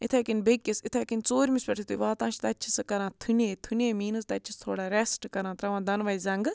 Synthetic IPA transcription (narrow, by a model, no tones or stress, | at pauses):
ɪt̪ʰeːkinbekʲːisɪt̪ʰeːkint͡soːɾʲmispɛʈʰit̪uʋaːt̪ãːt͡ʃʰt̪aːt͡ʃʰi̥sɨkɐɾãːt̪ʰuneːt̪ʰuneːmiːnɨst̪aːt͡ʃʰist̪ʰoːɽaːɾɛsʈkɐɾãːt̪ɾɐʋãːd̪ɐnʋaizɐŋɡ